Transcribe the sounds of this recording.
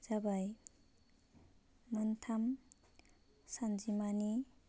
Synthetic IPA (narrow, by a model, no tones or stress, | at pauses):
d͡ʒabaj | mʌnt̪ʰam | sand͡ʒimani